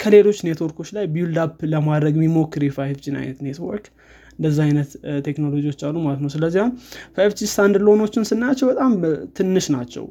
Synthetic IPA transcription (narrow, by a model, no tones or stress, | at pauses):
kʰəle̞lo̞t͡ʃːnet̪wɔɾkʰo̞t͡ʃːlajbiuld̪apːləmad̪ɾəɡmimokːɨɾjɛfajft͡ʃina̰jnət̪ne̞t̪wɔ̰ɾk | ɨnd̪əzːahajnət̪t̪ʰːe̞kno̞lo̞d͡ʒiwo̞t͡ʃːalːumalət̪nəwsɨləzːihamfajft͡ʃist̪ʰand̪ɾlojno̞t͡ʃːɪnsɨnːat͡ʃːɛwbət̪ʼamt̪ʰɨnːɨʃnat͡ʃːɛ̰w